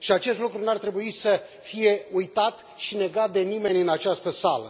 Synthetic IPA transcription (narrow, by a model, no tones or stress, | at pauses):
ʃiat͡ʃe̞st̪lukɾunuart̪ɾe̞buisə | fije̞ujt̪at̪ | ʃine̞ɡat̪̚d̪e̞nime̞nʲɨnat͡ʃast̪əsalə̰